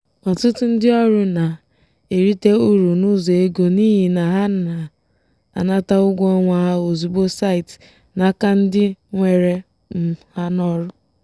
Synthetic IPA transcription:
ɔ˨tʊ˦tʊ˦n̩˦dɪ˦ɔ˦ɾʊ˦na˨ | e˨ɾi˦te˦u˦ɾu˨nu˦zo˨e˦ɡo˨ni˦ɦi˨na˨ɦa˦a˨ | a̰˨na˦ta˦ʊ˦ɡʷɔ˦ŋʷa˨ɦa˦o˨zu˨bo˦sa˦ɪ˨t | na˨˦ka˦n̩˦dɪ˦ŋʷe˨ɾe˨ | m̩˦ha˦nɔ˦ɾʊ˦

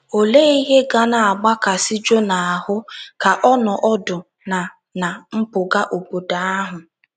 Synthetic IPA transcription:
o˨leː˦i˦ɦe˦ɡa˦na˨a˨ɡ͡ba˦ka˨si˦d͡ʒo˦na˨a˨hʊ˦ka˨ʔɔ˦nɔ˨ʔɔ˦dʊ˨ | na˨ | na˨m̩˦pʊ˨ɡa˦ʔo˨bo˨da˨a˦ɦʊ˨

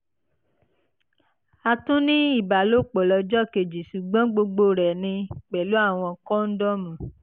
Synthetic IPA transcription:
a˧tũ˦nĩ˦i˦˨ba˨lo˦˨k͡pɔ˨lɔ˧d͡ʒɔ˦˨ke˨d͡ʒi˨ʃu˨ɡ͡bɔ̃˦ɡ͡bo˧ɡ͡bo˦˨ɾɛ˨nĩ˧k͡pɛ˨lu˨˦a˦˨w̃ɔ̃˧kɔ̃˦n̩˦dɔ˦mũ˨

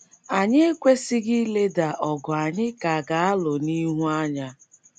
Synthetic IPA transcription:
a˨ɲɪ˦e˦kʷe˦sɪ˦ɡɪ˦le˦da˨ʔɔ˨ɡʊ˨a˨ɲɪ˦ka˨ɡa˨a˦lʊ˨ni˦ɦu˦a˦ɲa˦

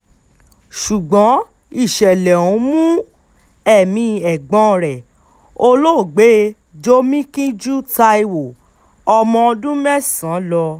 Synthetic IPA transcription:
ʃu˨ɡ͡bɔ̃˨˦ | i˦˨ʃɛ˨lɛ˨ũ˨˦mũ˦ | ɛ˦˨mĩ˧˨ɛ˨ɡ͡bɔ̃˧˨ɾɛ˨ | o˦lo˦˨ɡ͡be˨˦ | d͡ʒo˦mĩ˦kĩ˦d͡ʒu˦ta˧i˧wo˨ | ɔ˧mɔ̃˧ɔ˧dũ˦mɛ˦sã˨˦lɔ˧

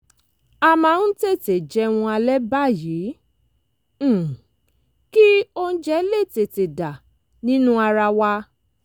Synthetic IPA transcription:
a˧mã˧ñ̩˦te˦˨te˨d͡ʒɛ˧˦w̃ũ˧a˧lɛ˦ba˦˨jiː˨˦˨ | ki˦o˧n̩˦d͡ʒɛ˦le˦˨te˨te˨da˨ | nĩ˦nũ˦a˧ɾa˧wa˧

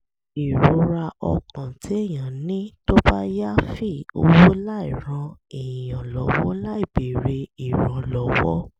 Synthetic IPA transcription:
i˨ɾo˨˦ɾa˧ɔ̰˧kã˨tʰi˨˦e˦˨j̃ã˨˦nĩ˦to˦ba˦ja˦fi˦˨o˧wo˦la˦i˨ɾ̃ã˧i˨jã˨lɔ˨˧wɔ̰˦la˦i˦˨be˨ɾe˧i˨ɾã˧˦lɔ˦wɔ˦

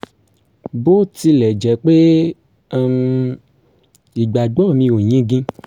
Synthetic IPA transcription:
bo˦ti˧lɛ˨d͡ʒɛ˨k͡pe˦˨ | m | i˨ɡ͡ba˨ɡ͡bɔ˦˨mĩ˧o˨ɲĩ˦ɡĩ˦

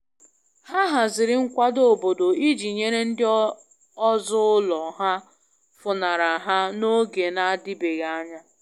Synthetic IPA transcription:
ha˦ɦa˨zɪ˨ɾɪ˦ŋ̩˦kʷa˦do˦˨bo˨do˨i˦d͡ʒi˨ɲe˦ɾe˦n̩˦dɪ˦ | ɔ˦zʊ˦lɔ˨ɦa˦ | fʊ˨na˨ɾa˨ɦa˦no˦ɡe˨na˦a˦dɪ˦be˨ɣa˦˨a˦ɲa˦

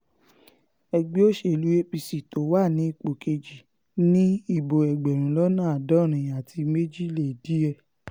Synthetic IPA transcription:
ɛ˧ɡ͡bi˦o˦ʃe˦˨lu˨˦e˦pi˧si˨to˨˦wa˦˨nĩ˨˦i˦˨k͡po˨ke˧d͡ʒi˨ | nĩ˦i˦˨bo˨ɛ˨ɡ͡bɛ˨ɾ̃ũ˨˦lɔ˦nã˦˨a˨dɔ̃˦˨ɾ̃ĩ˨a˨ti˧me˦d͡ʒi˦˨le˨di˨˦ɛ˧˨

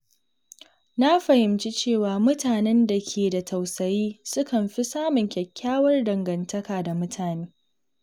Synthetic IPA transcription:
na˦ɸɐ˨hɪ˨mt͡ʃi˦t͡ʃeː˦˨waː˨mʊ˦taː˨nɛ˦nda˨kʲʰeː˨da˨tʰɐ˨wsɐ˨jiː˦sʊ˦kɐ˨mɸi˦saː˦mʊ˨ŋkʲɐ˨kʲʰːaː˦wɐ˦rdɐ˨ŋɡɐ˨ntʰɐ˦kaː˨da˨mʊ˦tʰaː˨neː˦

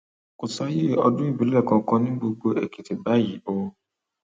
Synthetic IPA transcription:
ko˨sa˦je˦˨ɔ˧dũ˦i˦˨bĩ˨˦lɛ˦˨kɔ̃˨˧kɔ̃˧nĩ˦ɡ͡bo˧ɡ͡bo˧e˨ki˨ti˨ba˦ji˨o˨˦

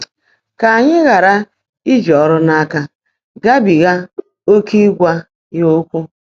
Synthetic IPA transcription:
ka˨a˨ɲɪ˦ɣa˨ɾa˦ | i˦d͡ʒɔ˨ɔ˦ɾʊ˦na˦a˦ka˦ | ɡa˦bi˨ɣa˦ | o˦ki˦ɡʷa˦ | jo˦kʷu˦

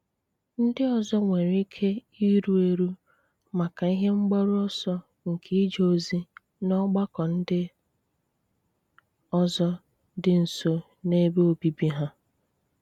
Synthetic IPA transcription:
n̩˦dɪ˦ɔ˦˨zɔ˦ŋʷe˨ɾi˦kʰe˦ | i˦ɾu˦e˦ɾu˦ | ma˨ka˨i˦ɦe˦ŋ͡m̩˦ɡ͡ba˦ɾʊ˦ɔ˦sɔ˦ | ŋ̩˨kʰe˦i˦d͡ʒo˦˨zi˦ | nɔ˦ɡ͡ba˦kɔ˨n̩˦dɪ˦ | ɔ˦zɔ˦ | dɪ˦n̩˨so˦ | ne˦be˦o˦bi˨bi˦ɦa˦

